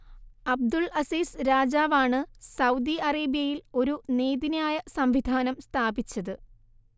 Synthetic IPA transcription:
ɐb̚d̪uɭɐsiːsɾaːd͡ʑaːʋaːɳɨsɐwd̪iɐreːbijɐjilo̞ɾuneːd̪injaːjɐsɐmʋid̪ʱaːnɐmst̪ʰaːbit͡ɕːɐðɨ

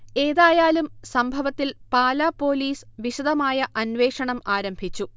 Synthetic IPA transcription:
e̞ːðaːjaːlumsɐmbʱɐʋɐt̪ːilpaːlaːpːo̞ːliːsʋiɕud̪ʱɐmaːjɐʔɐnʋe̞ːʂɐɳɐmaːɾɐmbʱit͡ɕːu

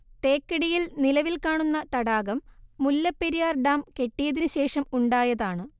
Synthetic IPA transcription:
t̪e̞ːkːɐɽijilnilɐʋilkaːɳunːɐt̪ɐɽaːɣɐmːulːɐpːeɾijaːrɖaːmke̞ʈːijɐðinɨɕe̞ːʂɐmuɳɖaːjɐðaːɳɨ

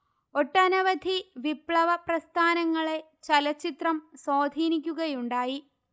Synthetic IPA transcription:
oʈːɐnɐʋɐd̪ʱiʋipɭɐʋɐprɐst̪ʰaːnɐŋːɐɭe̞ | t͡ɕɐlɐt͡ɕːit̪rɐmsoːd̪ʱiːnikʲːuɣɐjuɳɖaːji

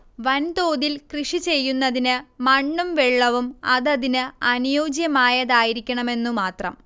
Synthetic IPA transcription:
ʋɐnt̪o̞ːðilkrɨʂit͡ɕe̞jːunːɐðinɨmɐɳːumʋeɭːɐʋumɐðɐðinɨɐnijoːd͡ʑjɐmaːjɐðaːjiɾikʲːɐɳɐme̞nːumaːt̪rɐ̰m

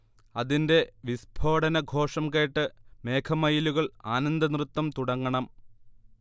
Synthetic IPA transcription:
ɐðinde̞ʋisbʱo̞ːɽɐnɐɡʱo̞ːʂɐmke̞ːʈːɨme̞ːkʰɐmɐjiluɣɐɭaːnɐnd̪ɐnrɨt̪ːɐmt̪uɽɐŋːɐɳɐm

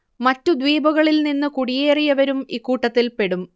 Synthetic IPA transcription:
mɐtːud̪ʋiːbʱɐɣɐɭilninːɨkuɽije̞ːrijɐʋɐɾumiːkːuːʈːɐt̪ːilpe̞ɽum

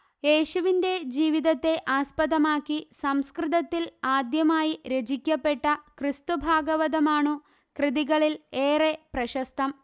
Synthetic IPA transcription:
je̞ːɕuʋinde̞d͡ʑiːʋiðɐt̪ːe̞ʔaːspɐðɐmaːkːisɐmskrɨðɐt̪ːilaːd̪jɐmaːjiɾed͡ʑikʲːɐpːe̞ʈːɐkrist̪ubʱaːɡɐʋɐðɐmaːɳu | krɨðiɣɐɭileːreprɐɕɐst̪ɐm

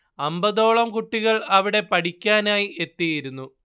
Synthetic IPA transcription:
ɐmbɐðo̞ːɭɐmkuʈːiɣɐɭɐʋiɽe̞pɐʈikʲːaːnaːjie̞t̪ːijiɾunːu

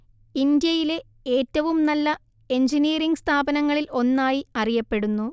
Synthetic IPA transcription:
ind̪jɐjile̞ | e̞ːtːɐʋumnɐlːɐ | e̞ɲd͡ʑiniːriŋɡɨst̪ʰaːbɐnɐŋːɐɭilo̞nːaːjiɐrijɐpːe̞ɽunːu

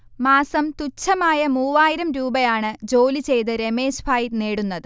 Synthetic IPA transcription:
maːsɐmt̪ut͡ɕʰːɐmaːjɐmuːʋaːjiɾɐmɾuːbɐjaːɳɨd͡ʑo̞ːlit͡ɕe̞jt̪ɨɾe̞meːsbʰʱaːjineːɽunːɐðɨ

